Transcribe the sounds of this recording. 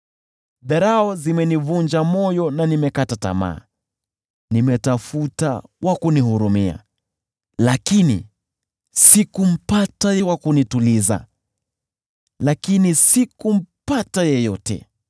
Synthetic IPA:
ðɛɾaɔzimɛnivund͡ʒamɔjɔnanimɛkatata̰ma̰ː | nimɛtafuta̰wʔakunihuɾumia̰ | lakinḭ | sikum̩patajɛwakunituliza̰ | lakinisikum̩patajɛjɔtɛ̰

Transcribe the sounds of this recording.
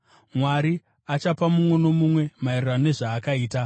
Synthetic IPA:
mwaɾi | at͡ʃapamumwe̞no̞mumwe̞mairranone̞ʐaːkaiːta

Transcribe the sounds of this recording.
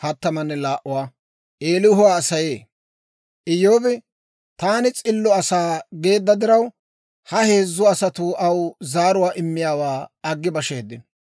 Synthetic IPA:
hɐt̪ːɐmɐnːɛlaːʔʊwaː | ʔeːlɪʊɦʊwaːsɐje̞ː | ʔɪjːo̞ːbɪ | t̪aːnɪt͡sʼɪlːɔɐsaːɡe̞ːd̪ːɐd̪ɪɾɐw | hɐhe̞ːzːʊɐsɐt̪ʊʔɐwzaːɾʊwaːʔɪmːɪjaːwaːɐɡːɪbɐʃeːd̪ːɪn

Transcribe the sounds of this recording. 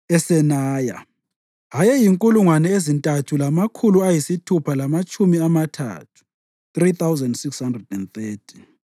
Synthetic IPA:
ɛsɛnaːja̰ | ɦajɛjiŋkʼuluŋwanɛezintʼatʰulamakʰuluajisitʰupʰalamat͡ʃʼumiamatʰa̰ːtʰu̥ | θriθawzɛndsikshandrɛdɛnθeːtʰi̥

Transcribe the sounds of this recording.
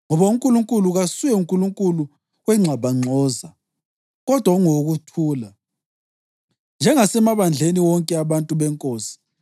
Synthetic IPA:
ŋɔβauŋkʼuluŋkʼuluɣasujɛuŋkʼuluŋkʼulu | ɣwɛŋ͡ǁʱaβaŋ͡ǀʱɔːza | ɣɔd̥ʱwauŋoɣutʰuːla | nd͡ʒʱɛŋasɛmaβand͡ɮʱeniwɔŋkʼɛaβantʼuβɛŋkʼoːsi̥

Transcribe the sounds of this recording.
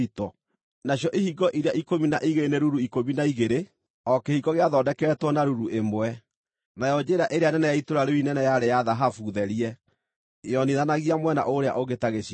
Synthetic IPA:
itɔ | naɕjɔʔihiɡɔʔiɾeaʔikominaʔiɣeneɾuɾuikominaiɣeɾe | ɔkehiɡɔɣeaðɔdɛkɛːtwɔnaɾuɾuemwɛ | najɔd͡ʒeɾaʔeɾeanɛnɛjaitoɾaɾeinɛnɛjaɾejaðaɦafuðɛɾiɛ | jɔniðanaɣiamwɛna̰ʔoɾea̰ʔoɣetaɣeɕ

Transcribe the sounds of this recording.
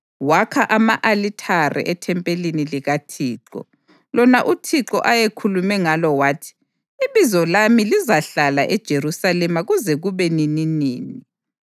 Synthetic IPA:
wakʰaʔamaʔalitʰarɛ̰ʔɛtʰɛmpʼeliniliɣatʰiːǃɔ̰ | lɔnaʔutʰiǁɔ̰ʔajekʰulumɛŋalɔwaːtʰi̥ː | βizɔlamilizaɬala̰ʔɛd̥ʒ̥ʱerusalɛmaɣuzɛɣuβɛnininiːni

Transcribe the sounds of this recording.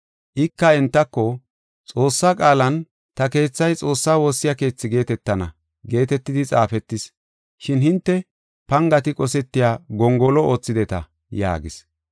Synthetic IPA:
ʔɪkːɐɛnt̪ːɐkːɔ | t͡sʼo̞ːsːaːkʼaːlɐn | t̪ɐke̞ːt͡sːɐjt͡sʼo̞ːsːaːwoːsːɪjake̞ːt͡sːɪɡe̞ːt̪ɛt̪ːɐnɐ̰ | ɡe̞ːt̪ɛt̪ːɪd̪ɪt͡sʼaːfɛt̪ːɪs | ʃɪnhɪnt̪ːɛ | pɐŋɡɐt̪ɪkʼɔsɛt̪ːɪjaːɡɔŋɡɔlɔoːt͡sːɪd̪ɛt̪ɐ̰ | ja̰ːɡɪs

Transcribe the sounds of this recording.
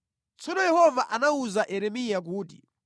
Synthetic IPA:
t͡sɔnɔjɛhɔvaʔanauzaʔɛɾɛmijak̬uːdḭ

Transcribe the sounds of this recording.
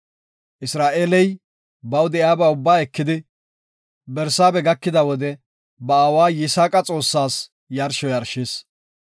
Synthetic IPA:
ʔɪsɾaːʔeːlɛj | bɐwd̪ɛjaːbaːʊbːaːɛkːɪd̪ɪ | bɛɾsaːbɛɡɐkːɪd̪ɐwɔd̪ɛ | bɐːwaːjɪsaːkʼɐt͡sʼo̞ːsːaːs | jɐɾʃɔjɐɾʃeːs

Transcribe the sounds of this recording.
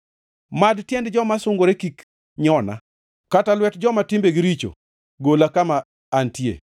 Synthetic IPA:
madtjɛndd͡ʒɔmasʊŋɡoɾekik | ɲɔna̰ | katalwɛtd͡ʒɔmatimbeɡiɾit͡ʃo̰ | ɡolakamaː | ntjḛ

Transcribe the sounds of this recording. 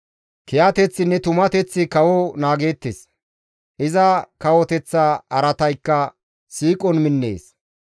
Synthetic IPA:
kɪjat̪ɛt͡sːɪnɛt̪ʊmɐt̪ɛt͡sːɪkɐwɔnaːɡe̞ːt̪ːes | ʔɪzɐkɐwɔt̪ɛt͡sːaɐɾɐt̪ɐjkːɐ | siːkʼɔnmɪnːḛːs

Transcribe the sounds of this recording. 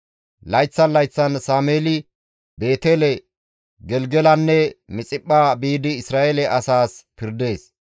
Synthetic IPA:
lɐjt͡sːɐnlɐjt͡sːɐnsaːmeːlɪ | be̞ːt̪eːlɛ | ɡɛlɡɛlɐnːɛmɪt͡sʼɪpʼːaːbiːd̪ɪɪsɾaːʔɛlɛʔɐsaːspɪɾd̪e̞ːs

